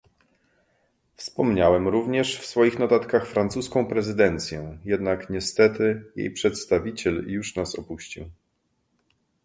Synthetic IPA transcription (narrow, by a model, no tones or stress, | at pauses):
fspɔmɲawɛmɾuvɲɛʂfsfɔjixnɔt̪at̪kaxfɾant̪suskɔ̃w̃pɾɛzɘd̪ɛnt̪sʲjɛjɛd̪nakɲɛst̪ɛt̪ɘjḛjpʂɛt̪st̪avʲit͡ɕɛljuʂnasɔ̰puɕt͡ɕḭw